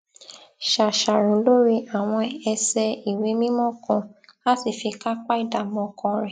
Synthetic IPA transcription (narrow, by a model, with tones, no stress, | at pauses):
ʃa˨ʃa˨ɾũ˨˦lo˦ɾi˧a˨w̃ɔ̃˧ɛ˧sɛ˧i˨we˨˦mĩ˦mɔ̃˦kɔ̃˧la˦si˨fi˧ka˦k͡pa˦i˦˨da˨mɔ̃˨˧kʰɔ̃˧ɾɛ˨